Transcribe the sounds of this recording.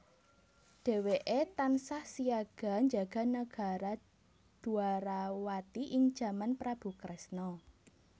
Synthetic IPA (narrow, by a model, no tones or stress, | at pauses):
d̥e̤weʔet̪ansahsiaɡ̥a̤ɲd͡ʒaɡ̥a̤naɡ̥a̤ɾa | d̪̥ṳaɾawat̪iʔɪŋ̥ʒ̥a̤manpɾab̥ṳkɾɛsnɔ